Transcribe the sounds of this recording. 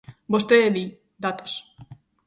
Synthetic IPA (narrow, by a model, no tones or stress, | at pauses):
bost̪eeli | d̪at̪os